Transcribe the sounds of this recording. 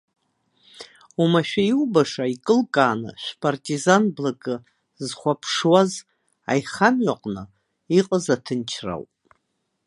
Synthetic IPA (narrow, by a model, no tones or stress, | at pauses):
umaʃᶣaiwbaʂaikʼɨlkʼaːnɨ̰ʃʷpʼartʼizanblakʼɨ | zχʷapʰʂwaz | a̰jχamɥaqʼnɨ | iqʼəzatʰɨnt͡ʃʰra̰wpʼ